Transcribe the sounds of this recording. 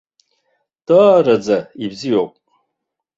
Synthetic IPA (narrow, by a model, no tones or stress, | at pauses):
d̥aːɾad͡zaibzijoːpʼ